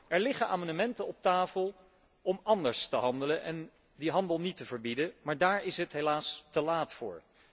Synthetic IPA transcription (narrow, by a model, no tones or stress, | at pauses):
ʔɛɹlɪχənʔa̰ːmɑnəmɛntənɔp̚taːfəlˠ | ʔɔmʔɑndəɹstəɦɑndələnʔɛ̰n | diɦɑndəlˠnitəvəɹbidəmaːɹdaːɹɪsɦətɦelaːstəlaːtfʊ̰ːɹ